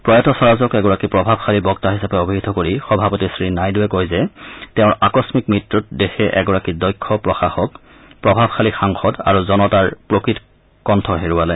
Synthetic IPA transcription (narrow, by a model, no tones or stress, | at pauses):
pɹɔjatɔsɔɹazɔkɛɡɔɹakipɹɔbʱabxʰalibɔktaɦisapɛobʱiɡid̪ʱɔkoɹixɔbʱapotisɹinajduɛkojzɛtɛʊ̃ɹakɔsmikmɹitɹut̚dexɛʔɛ̰ɡɔɹakidɔjkʰːɔpɹɔxaxɔk | pɹɔbʱabxʰalixaŋxɔda̰ɹuzɔnɔtaɹpɹokɹit | kɔntʰɔɦeɹuwalɛ